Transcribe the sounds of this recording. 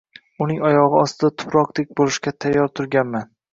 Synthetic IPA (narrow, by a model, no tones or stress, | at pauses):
ʊnɪŋɒjɒʁɨɒst̪ɪd̪at̪ʰʊ̥pɾɒq̚d̪ek̚ʲbolɪʃkʲat̪ʰajːɒɾt̪ʰʊɾɡʲanman